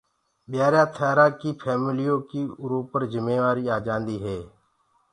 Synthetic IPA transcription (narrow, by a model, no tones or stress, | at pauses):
ɓjaːɾjãːt̪ʰaːɾãːkiːpʰɛːmɪlijõːkiːɾoːpəɾzɪmeːʋaːɾiːaːd͡ʒãːnd̪iːɦeː